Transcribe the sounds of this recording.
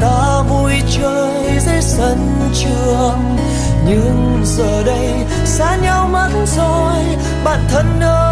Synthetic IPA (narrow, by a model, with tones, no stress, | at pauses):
t̪aː˧˦ | vu˧˩jt͡ɕəː˧j | ze˧˦sə˧˦n | t͡ɕɨ˧əŋ | ɲɨ˧˥ŋ | zəː˨˩ɗə˧˦j | saː˧˥ɲa˧wma˧˥nzo˨˩j | ɓa̰ː˧˨nt̪ʰə˧˦nɗəː˧